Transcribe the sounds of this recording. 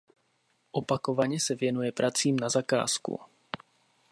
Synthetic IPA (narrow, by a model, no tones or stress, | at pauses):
ʔo̞pako̞vaɲɛsɛvjɛnujɛpɾʔat͡siːmnazaka̰ːskṵ